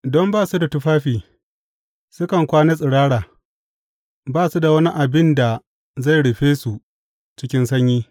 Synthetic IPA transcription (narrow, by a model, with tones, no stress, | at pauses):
dɔ˦mbaː˦˨su˦da˨tʊ˦ɸaː˦ɸiː˨ | sʊ˦kɐ˨ŋkʷaː˦ne˦s̬ʼɪ˨ɽaː˦ɽaː˨ | baː˦˨su˦da˨wɐ˦ni˦ʔa˨bɪ˦nda˨ | za˦˨jɽɪ˨ɸeː˦su˨ | t͡ʃɪ˦kʲɪ˦nsɐ˦ɲjiː˦